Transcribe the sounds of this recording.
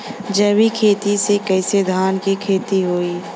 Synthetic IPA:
d͡ʒəwikʰeːt̪isekɐːɪsed̪ʱaːnkikʰeːt̪iɦoːiː

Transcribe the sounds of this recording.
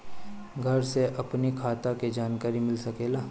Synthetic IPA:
ɡʱɐɾseʔɐpnikʰaːt̪aked͡ʒaːnkaːɾimɪlsɐkeːlaː

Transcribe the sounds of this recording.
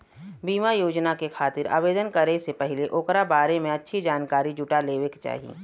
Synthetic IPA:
biːmajoːd͡ʒnakekʰaːt̪ɪɾa̰ːʋeːd̪ənkɐɾesepɛɦɪleʔoːkɾabaːɾemẽɐtːʃʰid͡ʒaːnkaːɾid͡ʒʊʈaleːʋekt͡ʃa̰ːɦḭː

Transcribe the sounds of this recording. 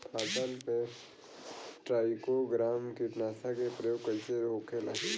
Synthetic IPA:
aːpəlpe | ʈɾaːɪkoɡɾaːmkipnaːsakepɾəjoːɡ̚kəlt͡ʃeɾɦokʰelaːɦ

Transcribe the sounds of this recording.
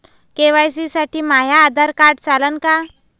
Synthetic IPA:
keʋajs̬isaʈʰiːmaɦjaːd̪ʱaɾkaɾɽt͡salənka

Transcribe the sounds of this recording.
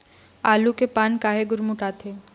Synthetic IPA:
alukepaːnkaːɦeɡʊɾmuʈaːt̪ʰe

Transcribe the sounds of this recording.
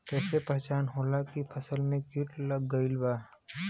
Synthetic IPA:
kɛːsepɛɦt͡ʃaːnɦoːlakipʰɐsəlmẽkiʈləɡːəilbaː

